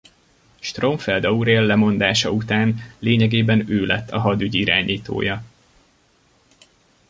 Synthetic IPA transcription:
ʃt̪roɱfɛld̪ɒuɾeːlːɛmo̞nd̪aːʃɒut̪aːnleːɲɛɡeːbɛnøːlɛt̪ːɒɦɒd̪yɟiɾa̰ːɲiːt̪o̰ːjɒ

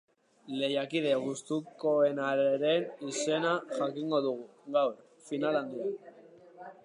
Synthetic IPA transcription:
le̞jakið̞e̞ɣust̪uko̞e̞naɾeɾe̞nise̞naʝakiŋɡo̞ðuɣu | ɣawɾ | finaland̪ia

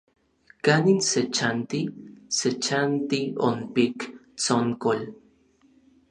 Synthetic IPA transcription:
kaninset͡ʃant̪iset͡ʃant̪io̰npikt͡soŋkol

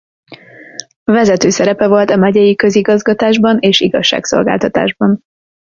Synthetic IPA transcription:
vɛzɛt̪øːsɛɾɛpɛvo̞lt̪ɒmɛɟɛjikøziɡɒzɡɒt̪aːʒbɒneːʃiɡɒʃːa̰ːkso̞̰lɡa̰ːlt̪ɒt̪a̰ːʒbɒn

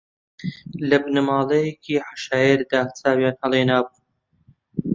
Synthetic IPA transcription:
lɐbnɨmaːlɐjekʰiːħḁʃaːjeɾd̪aːt͡sʰaːwjaːnhɐlˠeːnaːbu

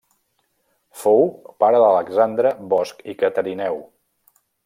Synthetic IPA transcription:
fowpaɾəðələɡzand̪ɾəβɔskikət̪əɾinɛw

